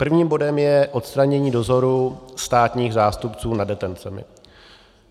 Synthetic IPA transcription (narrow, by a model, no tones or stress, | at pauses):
pr̩vɲiːmbo̞dɛmjɛʔo̞t̪st̪ɾaɲɛɲiːdo̞zo̞ɾust̪aːt̪ɲiːɣzaːst̪upt͡suːnadɛt̪ɛnt͡sɛmɪ̰